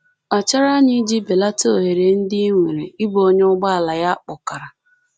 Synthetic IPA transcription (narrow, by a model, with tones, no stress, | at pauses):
a˨t͡ʃa˦ɾa˦ɲɪ˦d͡ʒi˦be˨la˦to˦˨ɦe˨ɾe˨n̩˦dɪ˦i˦ŋʷe˨ɾe˨i˦ɡ͡bo˦ɲe˦ʊ˦ɡ͡ba˦a˨la˨ja˦k͡pʊ˨ka˨ɾa˨